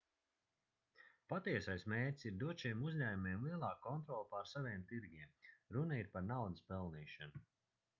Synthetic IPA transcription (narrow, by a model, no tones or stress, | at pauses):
pat̪iɛsajsmeːɾʲtʲsiɾd̪uɔʃiɛmuzʲɲæːjumiɛmlˠiɛlˠɑːkːɔnt̪ɾɔːlˠpaɾsavʲiːmt̪iɾɡʲiɛmɾunaiɾpaɾnawd̪əspɛlˠniːʃanu